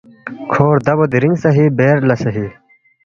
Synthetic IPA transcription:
kʰoːɾd̪ɐbod̪iɾiŋɡsɐɦibeːɾlɐsɐɦi

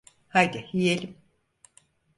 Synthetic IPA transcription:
hajd̪ihijelʲim

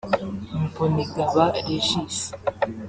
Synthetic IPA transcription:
m̩poniɡaβaeʃisi̥

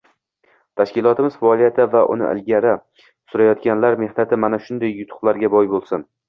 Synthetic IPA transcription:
t̪ʰaʃkʲɪlˠɒt̪ʰɪmɪzfaɒlˠijat̪ʰɪvaʔʊ̰nɪ̰ʔɪ̰lɡʲaɾɪ | sʊɾajɒt̪kʲanlaɾme̞hnat̪ʰɪmanaʃʊnd̪ajːʊt̪ʰʊ̥qlˠaɾɡʲabɒjbolˠsɪn

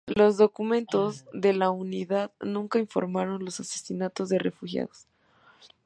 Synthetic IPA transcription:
lo̞zðo̞kumẽ̞nt̪o̞zðe̞launiðaðnũŋkaiɱfo̞̰ɾmaɾo̞nlo̞sase̞̥sinat̪o̞zðerefuxja̰ðo̞s

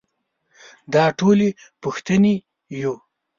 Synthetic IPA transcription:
d̪ɑʈole | puxt̪əni | jo

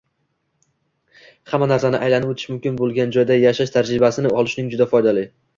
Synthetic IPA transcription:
hamːanaɾsanɪʔajlanɪpot̪ʰɪʃmʊmkʲɪnbolˠɡʲand͡ʒɒjd̪ajaʃaʃt̪ʰaɾɾɪbasɪnɪɒlˠɪʃnɪŋd͡ʒʊd̪afɒjd̪alɪ

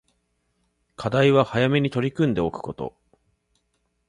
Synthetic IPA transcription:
kʰad̪aiβahajame̞ɲ̟it̪o̞ɾʲikɯ̟̃nd̪e̞okɯ̟̥ko̞t̪o̞̰

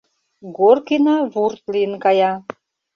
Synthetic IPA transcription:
ɡorkinɑβurt̪liənkɑjɑ

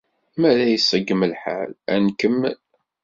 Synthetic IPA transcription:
mæðæjəsˤːəɡːəməlħa̰lænkəm

